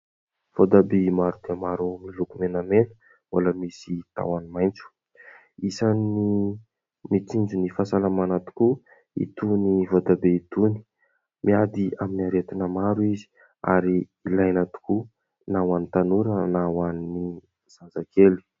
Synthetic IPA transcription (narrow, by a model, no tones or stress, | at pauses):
v̥od̪abemaɾud̪eamaɾumilukumenamenə̥ | walamisit̪a̰wanimajnt͡su̥ | isani | mit͡sind͡ʒunifasalamanat̪u̥ku | ḭt̪univod̪abeit̪uni̥ | miad̪iaminiaɾet̪inamaɾuizi̥ | a̰ɾiː | lajnat̪u̥ku | nawanit̪anuɾənawanni | z̥and͡zakeli̥